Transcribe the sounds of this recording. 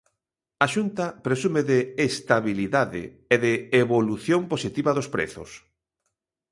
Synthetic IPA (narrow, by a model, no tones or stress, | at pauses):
ɐʃunt̪ɐpɾesumeðɪest̪aβiliðaðɪ̰ | eðɪeβoluθjomposit̪iβɐðospɾḛθʊ̰s